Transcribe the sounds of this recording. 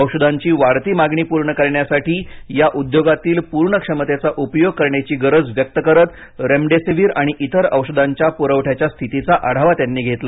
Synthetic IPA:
əwʂəd̪aɲt͡ɕiːʋaɾt̪iːmaɡɳiːpuɾɳəkəɾɳjasaʈiːjaʔud̪joɡat̪iːlpuɾɳəkʂəmət̪et͡saʔupjoɡ̚kəɾɳjat͡ɕiːɡəɾəd͡zʋjək̚t̪əkəɾət̪ | ɾemɖesiʋiːɾaɽ̃iʔit̪əɾəwʂəd̪ʱaɲt͡ɕjapuɾəʋʈʰjat͡ɕjast̪ʰit̪it͡saʔaɽ̤aʋat̪janːiːɡʱet̪la

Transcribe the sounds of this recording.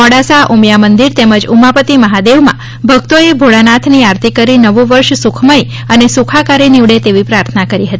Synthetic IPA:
ɔɽasaʔumjamənd̪iɾt̪eməd͡ʒumapət̪iməɦad̪eʋmã̰ | bʱəɡ̚t̪oebʱoɭanat̪ʰniaɾt̪ʰikəɾinəʋoʋəɾʃsukʰməj | ənesukʰakaɾeniʋɽet̪eʋipɾaɾt̪ʰənakəɾiɦət̪ii

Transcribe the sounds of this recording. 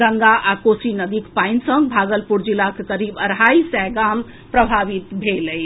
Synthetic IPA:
ɡəŋɡaʔakosinəd̪ikpajnsə̃ŋɡbʱaɡəlpuɾd͡ʒilakekəɾibəɾɦaisɛɡam | pɾəbʱaʋit̪bʱeləj

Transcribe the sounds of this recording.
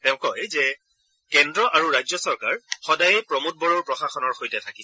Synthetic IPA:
tɛʊ̃kɔjzɛ | kɛndɹɔʔaɹuɹajzɔsɔɹkaɹxɔdajɛpɹɔmut̚bɔɹoɹpɹɔxaxɔnɔɹxojtɛtʰaki

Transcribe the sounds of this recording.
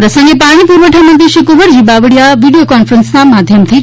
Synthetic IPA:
pɾəsəŋɡepaɽ̃ipuɾʋəʈʰamənd̪jeʃikuʋəɽɦibaʋəɽjaʋiɽijokɔnfɾənsnamad̪ʱjəmt̪ʰi

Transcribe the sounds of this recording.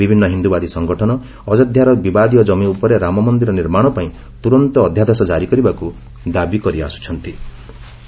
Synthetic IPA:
bibʱinːɔɦind̪ubad̪isɔŋɡɔʈʰɔnɔ | ɔd͡ʒɔd̪ʱjaɾɔbibad̪ijɔd͡ʒɔmiupɔɾeɾamɔmɔnd̪iɾɔniɾmaɽ̃ɔpaĩ | t̪uɾɔnt̪ɔːd̪ʱjad̪esɔd͡ʒaɾikɔɾibaku | d̪abikɔɾia̰su̥t͡ʃʰɔnt̪i

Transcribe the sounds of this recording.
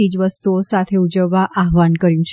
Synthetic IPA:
id͡ʒʋəst̪uosat̪ʰeud͡ʒəʋːaʔaɦʋankəɾjũt͡ʃʰ

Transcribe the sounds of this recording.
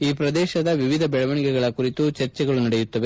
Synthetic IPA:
iːpɾɐd̪ɛːʃɐd̪ɐʋiʋid̪ʱɐbɛɭɐʋɐɳikɛɡɐɭɐkuɾit̪ut͡ʃɐɾt͡ʃɛɡɐɭunɐɽɛjut̪ːɐʋe

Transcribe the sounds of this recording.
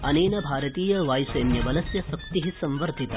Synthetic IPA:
ɐneːnɐbʱaːɾɐt̪iːjɐʋaːjseːnjɐbɐlɐsjɐsɐk̚t̪iɦisɐ̃mʋɐɾd̪ʱit̪a

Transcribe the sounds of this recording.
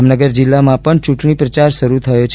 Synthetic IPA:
mnəɡəɾd͡ʒilːamãpəɳt͡ʃũʈɳipɾət͡ʃaɾʃəɾut̪ʰəjot͡ʃʰ

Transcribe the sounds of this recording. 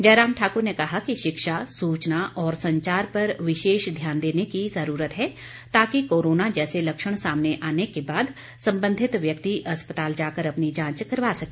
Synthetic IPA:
d͡ʒɛːɾaːmʈʰaːkoɾnekɐɦakiʃɪkʃasuːt͡ʃnaʔɔːɾsɐ̃ɲt͡ʃaːɾpɐɾʋɪʃeːʃd̪ʱjaːnd̪eːnekizəɾuːɾət̪ɦɛː | t̪aːkikoːɾoːnad͡ʒɛːselɐkʃəɽ̃saːmneʔaːnekebaːd̪ | sɐ̃mbə̃nd̪ʱɪt̪ʋjɐk̚t̪iɐspət̪aːld͡ʒaːkəɾɐpnid͡ʒãːt͡ʃkɐɾʋaːsɐkeː

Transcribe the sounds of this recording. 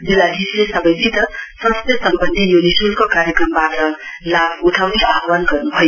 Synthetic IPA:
d͡zilːad̪ʱislesʌbʌjt͡sit̪ʌsʌst̪esʌmbʌnd̪ijonisulkokaɾjekrʌmbaʈʌ | labuʈʰawneabwanɡʌrnuɦʌjo

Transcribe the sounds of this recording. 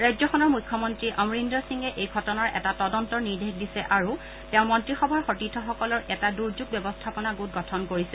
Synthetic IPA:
ɹajzɔxɔnɔɹmujkʰːɔmɔntɹiʔamɹindɹɔsiŋɛʔejɡʱɔtɔnaɹʔɛ̰tatɔdɔntɔɹniɹdʱexdisɛʔaɹu | tɛʊ̃mɔntɹixɔbʱaɹxotitʰːɔxɔkɔlɔɹʔɛtaduɹd͡ʒuɡ̚bɛbɔstʰapɔnaɡot̚ɡʱɔtʰɔnkoɹisɛ

